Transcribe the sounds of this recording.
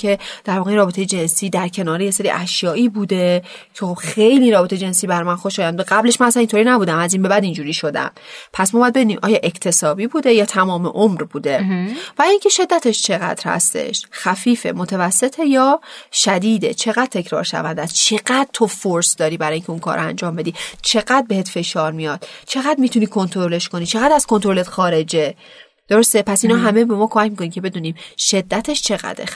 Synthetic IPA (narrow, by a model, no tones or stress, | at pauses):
e̞d̪̥æɾvɒːɣeinrɒːbet̪ʰe̞jed͡ʒe̞nsiːd̪æɾcʰe̞nɒːɾejeseɾḭːʔæʃjɒːʔiːbuːd̪e̞ | cʰexob̥xejliːɾɒːbet̪ʰed͡ʒe̞nsibæɾmænxoʃɒːjænbud̪eɣæbleʃmænæsænint̪ʰoɾiːnæbuːd̪æmæzinbe̞bæd̪ind͡ʒuːɾiːʃo̞d̪æ̰m | pʰæsmɒbɒjæd̪be̞d̪unimʔɒ̰ːjɒːʔe̞kʰt̪ʰe̞sɒːbiːbuːd̪ejɒːt̪ʰæmɒːmeʔomɾbuːd̪e̞b̥æɾːiŋcʰe̞ʃe̞d̪ːæt̪ʰe̞ʃt͡ʃʰe̞ɣæ̰d̪̥ɾhæ̰st̪e̞̰ʃxæfiːfe̞̰mot̪ʰævæsːe̞t̪ʰe̞jɒːʃæd̪iːd̪et͡ʃʰe̞ɣæd̪̚t̪ʰːe̞cʰɾɒ̰ːɾʃæ̰vænd̪æst͡ʃʰe̞ɢæd̪̥̚t̪ʰo̞foɾsd̪ɒːɾiːbæɾɒːjiːŋcʰʲeunkʰɒ̰ːɾʔoæ̰nd͡ʒɒːmbe̞d̪iːt͡ʃʰe̞ɣæd̪̚be̞het̪fe̞ʃɒːɾmijɒːd̪̥t͡ʃʰe̞ɣæd̪mit̪ʰuniːkʰont̪ʰoɾoleʃko̞niːt͡ʃʰeɣæd̪æz̥ko̞nt̪oɾo̞let̪xɒːɾe̞d͡ʒe̞ | d̪̥oɾo̞st̪e̞pʰæsinɒːɦæmebe̞mɒːkʰomæcmikonimcʰe̞be̞d̪uːniːmʃe̞d̪ːæt̪ʰeʃt͡ʃʰe̞ɣæ̰d̪e